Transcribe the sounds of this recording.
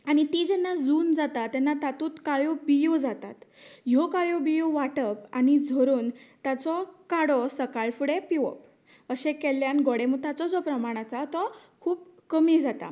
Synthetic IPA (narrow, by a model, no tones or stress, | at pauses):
aɽ̃it̪id͡ʑɛnːad͡zuːnd͡zat̪at̪ːɛnːat̪at̪uːt̪kaɭjobijod͡zat̪a̰t̪jɔkaɭjobijoʋaʈəpañid͡zʱəɾuːnt̪at͡sɔkaɽɔsəkaɭfuɽepiʋə̰p̚ | əɕẽkɛlːjanɡɔɽemut̪at͡sɔd͡zɔpɾəmaɽ̃at͡sat̪ɔ | kʰuːpkəmid͡zat̪a̰